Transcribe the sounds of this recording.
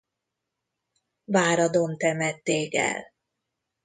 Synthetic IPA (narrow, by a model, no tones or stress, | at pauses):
vaːɾɒd̪o̞nt̪ɛmɛt̪ːeːkɛ̰l